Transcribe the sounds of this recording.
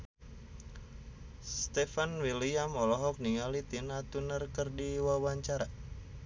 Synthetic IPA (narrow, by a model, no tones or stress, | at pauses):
st̪ɛfanwiliamɔlɔɦɔk̚niŋalit̪inat̪unərkərdiwawaɲt͡ʃaɾa